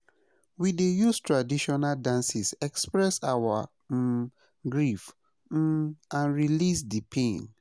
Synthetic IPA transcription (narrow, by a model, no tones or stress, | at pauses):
widejustɹadiʃɔnaldãnsisɛkspɹɛsawa | ɡɹif̩ | ãnɹilisdipʰẽn